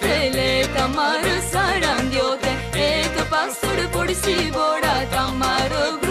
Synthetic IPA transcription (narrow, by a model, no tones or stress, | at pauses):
peːlet̪ɐmaːɾosaɾãŋd̪joːke | ekpasəɽpʊɽʃiːboːɽat̪ɐmaːɾoɡ